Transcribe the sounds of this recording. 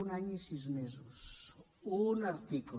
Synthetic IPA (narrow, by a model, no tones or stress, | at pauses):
unaɲisizmezus | unaɾt̪iku